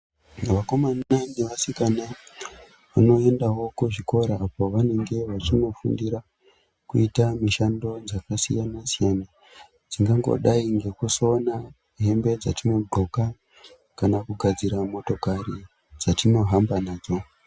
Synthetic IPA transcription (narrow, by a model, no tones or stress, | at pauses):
ʋako̞mananeʋasikana | ʋano̞e̞ndawo̞kuʐiko̞ɾaːpo̞ʋane̞ŋɡe̞ʋat͡ʃino̞fṵndiɾa | kuitamiʃando̞d͡zakasijanasijana | d͡ziŋɡaŋɡo̰ɗaiŋɡe̞kusona | ɦe̞mbe̞d͡zatino̞ɡ͡ǃʱo̞ka | kanakuɡʱad͡ziɾamo̞to̞kari | d͡zatino̞ɦambanaːd͡zo̞